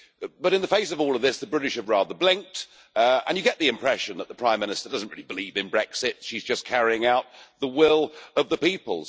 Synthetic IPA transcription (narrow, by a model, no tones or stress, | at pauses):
b̥ʌɾɨ̃nðəfeɪs̬ʌvɔlˠʌvðɪsðəbɹɪɾɨʃɨvɹɑðə˞blɪ̃ŋk̚t | ə̰̃njɨɡɛʔ̪̚ðiɨ̃mpʰɹ̥ɛʃɨ̃nðətʔ̪̚ðəpʰɹ̥ãɪ̃mːɪñɨstə˞dʌzn̩t̚ʔɹɪlibəlivɨ̃nbɹɛksɪtʃizd͡ʒʌskʰæɹiɪ̃ŋaʊt̪̚ðəwɪlˠʌvðəpipə̰lˠz̥